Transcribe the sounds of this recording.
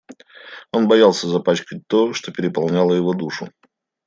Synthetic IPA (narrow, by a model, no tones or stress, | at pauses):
o̞nbɐjalˠsʲəzɐpat͡ɕkət̚ʲt̪o̞ʂt̪o̞pʲɪɾʲɪpɐlˠnʲalˠəjɪvo̞d̪uʂʊ